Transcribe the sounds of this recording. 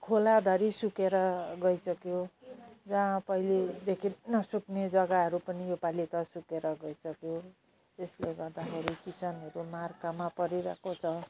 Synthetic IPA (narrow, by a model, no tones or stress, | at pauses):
kʰolad̪ʱʌɾisukeɾʌɡʌisʌkjod͡zãpʌiled̪ekʰinʌsukned͡zʌɡaɦʌɾupʌnijopalit̪ʌsukeɾʌɡʌisʌkjo | esleɡʌrd̪axʰeɾikisʌnʌɾumarkamapʌɾiɾakot͡sʰʌ